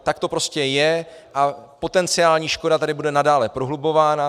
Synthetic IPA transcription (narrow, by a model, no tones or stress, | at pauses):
t̪ak̚t̪o̞pɾo̞scɛjɛʔapo̞t̪ɛnt͡sɪaːlɲiːʃko̞dat̪adɪbudɛnadaːlɛpɾoɦlubo̞vaːna